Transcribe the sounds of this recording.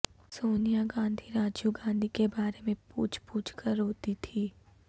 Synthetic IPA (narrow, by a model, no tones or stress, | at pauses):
soːnijaɡãːnd̪ʱiɾaːd͡ʒjuɡãːnd̪ʱikebaːɾemẽpṵːt͡ʃʰpuːt͡ʃʰkəɾɦoːt̪it̪ʰiː